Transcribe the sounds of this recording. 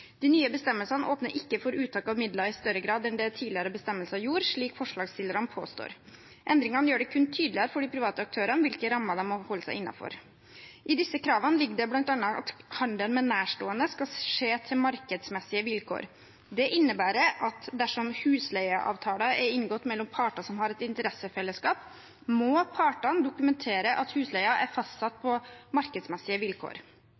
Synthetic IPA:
d̪̥ɪnyːəbəst̪ɛmːəlsɑnəʔoːpnəɾʔɪkːəfɔɾʉːt̪ʰɑːkɑʋmɪd̪lɑɪst̪œɾəɡɾɑːd̪ɛnd̪ɛt̪ʰiːd̪lɪəɾəbəst̪ɛmːəlsəɑjuːɾʂɭiːkfɔʂɭɑːɡst̪ɪlːəɾɑnəpʰo̰ːst̪o̰ːɾ | ʔɛnd̪ɾɪŋɑnəjøːɖɛkʰʉnːt̪ʰyːd̪lɪəɾəfɔɖɪpʰɾɪʋɑːt̪əɑk̚t̪ʰøːɾənʋɪlkəɾɑmːəd̪ɛmɔhɔlːəsæɪʔɪnːɑ̰fɔ̰ɾ | ʔɪd̪ɪsəkʰɾɑːʋənəlɪɡːəɖɛblɑnt̪ɑnːɑɑ̰t̪hɑnd̪əlmɛnæːʂʈoːənəskɑʂeːt̪ʰɪlmɑɾkəd̪smɛsːɪəʋɪlkʰo̰ːɾ | d̪ɛʔɪnːəbæːɾəʔɑt̪d̪æʂɔmhʉːslæɪɑʔɑ̰ːʋt̪ʰɑːləɛɾɪŋɡɔt̪ːmɛlːɔmpʰɑːʈɑsɔmhɑɾɛt̪ɪnt̪əɾɛsəfɛlːəskɑːp | mɔpʰɑːʈɑnd̪ʊkʉmɛnt̪ʰeːɾəʔɑt̪hʉːslæɪɑʔæɾfɑst̪sɑt̪̚ːpʰɔmɑɾkəd̪smɛsɪəʋɪlkʰo̰ːɾ

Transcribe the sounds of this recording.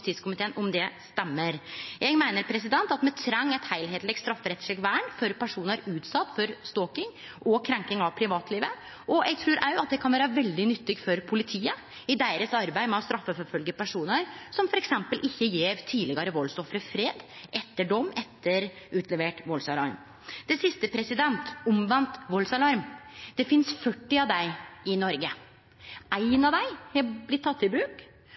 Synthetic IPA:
t̪ʰiːskʰʊmɪt̪ʰeːənʔɔmd̪ɛst̪ɛmːəɾjɛɪɡmæɪnəɾpʰɾɛs̬ɪd̪ɛnt̪ɑt̪mɛt̪ʰɾɑŋːɛɪt̪hæɪlɦeːt̪lɛɡst̪ɾɑfːəɾɛt̪ʂɭɛɡʋæːəɳfɔɾpʰæʂuːnəɾʉːt̪sɑt̪ːfɔɾst̪oːkɪŋ | ʔɔkʰɾɛŋkɪŋɑʋpʰɾɪʋɑːt̪ʰliːʋə | ʔɔʔɛ̰ɡ̚t̪ʰɾʉːɾʔæɑt̪̚d̪ɛkʰɑnʋæːɾəʋɛld̪ɪnʏt̪ːɪɡfɔɾpʰʊlɪt̪ʰiːə | ɪd̪æɪɾəsɑɾbæɪmɛɑst̪ɾɑfːəfɔfœlɡəpæʂuːnəɾsɔmfɔɾɛksɛmpəlʔɪçːəjeːɾt̪ʰiːlɪɡɑɾəʋɔlsɔfɾəfɾeːd̪ʔɛt̪ːəɖɔmːɛt̪ʰːəɾ | ʉːt̪ʰlɛʋeːʈʋɔlsɑlɑ̰ɾm | d̪̥ɛsɪst̪əpʰɾɛsɪd̪ɛnt̪ʊmʋɑnt̪ʋɔlsɑlɑɾmd̪̥ɛfɪnsfœʈːɪɑʋd̪æɪɪnɔɾɡə | ʔæɪnɑʋd̪æɪhɛblɪt̪ʰːɑt̪ːɪbɾʉːk

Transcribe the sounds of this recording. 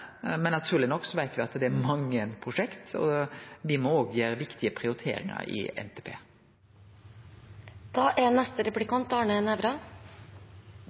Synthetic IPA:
mɛnːɑt̪ʰʉːlɪnɔkːsɔʋæɪt̪ʋɪɑt̪d̪ɛæmɑŋːəpʰɾʊʂɛkt̪ɔ̰ʋɪmɔoːɡjæːɾəʋɪkt̪ʰɪəpʰɾɪʊɾɪt̪ʰḛːɾɪ̰ŋɑ̰ɾʔɪ̰ɛ̰nt̪ʰeːpʰḛː | d̪̥ɑːʔɛnɛst̪əɾɛplɪkɑnt̪ɑːɳəɛnɛʋɾɑ

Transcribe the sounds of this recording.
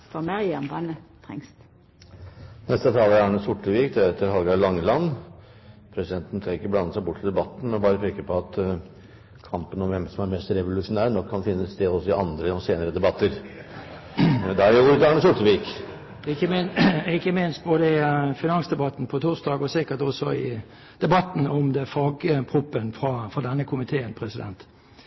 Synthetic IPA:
fɔmɑʁɪɑmbɑnət̪ʰʁɛ̰ŋst̪ | nɛst̪ət̪ʰɑːlæɾæːɳəsʊʈːəʋiːkd̪ɛɾɛt̪ːəɾhɑlɡɑlɑŋːlɑn | pʰɾɛsɪd̪ɛnt̪n̩sɑɾɪkːəblɑnːəsæɪbʊʈ̪ːʰɪld̪ɛbɑt̪ːn̩ɔbɑːɾəpʰeːkəpɔɑt̪ | kʰɑmpənɔmʋɛmsɔmæɾmɛst̪ɾɛʋʊlʉʂʊnæːɾnɔkʰːɑnfɪnːəst̪ʰeːɔsɪʔɑ̰nd̪ɾəɔseːnəɾəd̪ɛbɑt̪ːəɾ | d̪ɛæɾjʊuːɾət̪ɑːɳəsʊʈ̪əʋiːk | ɪkːəɪɪkːəmɪnst̪̚boːd̪əɪfɪnɑŋsd̪ɛbɑt̪n̩pʰɔt̪ʰʊʁsd̪ɑːɡɔsɪkːət̪ɔsɔɪ | d̪̥ɛbɑt̪ːn̩ɔmd̪ɛfɑːɡəpʰʁʊpːənfʁɑfɑd̪ɛnːəkʰʊmɪt̪ʰeːənpʰʁɛsɪd̪ɛ̰nt̪

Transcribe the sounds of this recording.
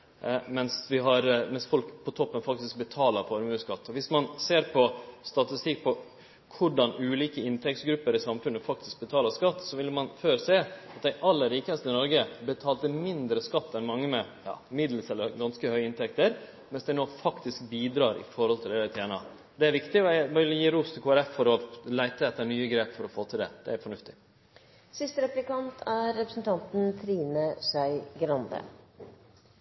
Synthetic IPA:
mɛnsʋɪɦɑɾmɛnsfɔlkpʰɔt̪ʰɔpːənfɑk̚t̪ɪsk̚bət̪ʰɑːləɾfɔɾmʉːskɑt̪ːɔʋɪsmɑnseːɾpʰɔst̪ɑt̪ɪst̪ɪk̚ːpʰɔ | kʰʊɖɑnʉːliːkəɪnt̪ʰɛk̚t̪ɡɾʉpːəɾɪsɑmfʉnːəfɑk̚t̪ɪsk̚bət̪ʰɑːləskɑt̪ːsɔʋɪlːmɑnføːɾseːɑt̪̚d̪æɪʔɑlːəɾːiːkəəst̪ɪnɔɾɡəbət̪ʰɑːlt̪əmɪnd̪ɾəskɑt̪ːɛnmɑŋːəmɛjɑ̰ːmɪd̪l̩sɛlːəɾɡɑnskəhœʏəɪnt̪ʰɛkt̪əɾ | mɛnsd̪æɪnoːfɑkt̪ɪsk̚biːd̪ɾɑːɾɪ̰fɔɾhɔlt̪ʰɪld̪æəɾt̪ʰeːnɑ̰ | d̪ɛæɾʋɪkt̪ɪmɪljiːɾuːst̪ʰɪlkʰuːæɾɛfːɔɾɔlæɪt̪əɛt̪ːəɳyːəɡɾeːpfɔɾɔfoːt̪ʰɪld̪ɛ̰d̪̥ɛæɾfɔɳʉft̪ɪ̥ | sɪst̪əɾɛplɪkɑnt̪ʰæːɛpɾəsn̩t̪ʰɑnt̪n̩t̪ʰɾiːnəsæɪɡɾɑnd̪ə̰

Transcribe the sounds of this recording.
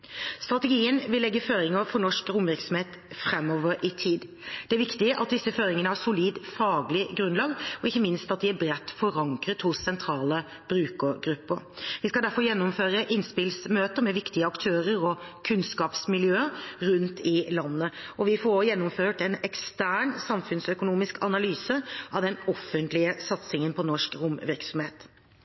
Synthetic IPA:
st̪ɾʁɑt̪əɡiːənʋɪlːɛɡːəføːɾɪŋəfɔɳɔʂkɾʊmʋæɾksɔmheːt̪fɾɛmːɔʋəɾɪt̪ʰiːd̪ | d̪̥ɛæɾʋɪkt̪ɪʔɑt̪̚d̪ɪsːəføːɾɪŋənəhɑsʊliːd̪fɑːɡlɪɡɾʉnlɑːɡɔɪçːəmɪnst̪ɑt̪̚d̪ɪæɾbɾɛt̪ːfɔɾɑŋkɾət̪hʊsːɛnt̪ʰɾɑːlə | b̥ɾʉːkəɡɾʉpːəɾʋɪskɑld̪æɾfɔjɛnːʊmføːɾəʔɪnspɪlsmøːt̪əmɛʋɪkt̪ɪəɑkt̪ʰøːɾəɾɔkʰʉnskɑːpsmɪljøːəɾʉnt̪ʰɪlɑnːəɔʋɪfɔɾojɛnːʊmføːʈɛnɛkst̪æːɳsɑmfʉnsœkʊnuːmɪskʰɑnɑlyːsəʔɑʋd̪ɛnɔfːənt̪lɪəsɑt̪sɪŋənpʰɔnɔʂkɾʊmʋɪɾksɔmheːt̪

